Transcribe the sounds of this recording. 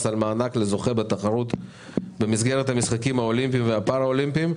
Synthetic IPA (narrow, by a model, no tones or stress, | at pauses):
salmaːnakle̞zo̞χe̞bet̪aχaʁut̪ | be̞misɡe̞ʁet̪hamisχakimhao̞limpimveapaʁao̞limpim